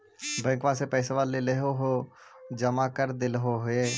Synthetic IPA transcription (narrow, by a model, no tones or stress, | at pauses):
bɛ̃ːkʋaːsepɛːseʋaːleleɦoɦoːd͡ʒəmaːkəɾd̪ɪlɦoɦʊeː